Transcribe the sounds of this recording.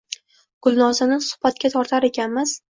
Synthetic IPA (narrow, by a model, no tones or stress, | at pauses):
ɡ̥ʊlˠnɒzanɪsʊ̥hbat̪̚kʲat̪ʰɒɾt̪ʰaɾe̞kʲʰanmɪz̥